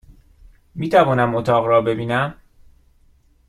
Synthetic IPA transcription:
miːt̪ʰævɒːnæmot̪ʰɒːɣɾɒːbe̞biːnæm

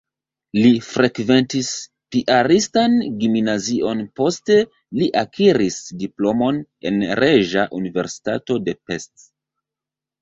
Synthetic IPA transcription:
lifɾekve̞ntis | piʔaɾistanɡimnaziʔo̞npo̞ste̞ | liʔakʰiɾisdiplo̞mo̞ne̞̰nɾʔe̞ʒaʔunive̞̰ɾsi̥tato̞de̞pe̞st

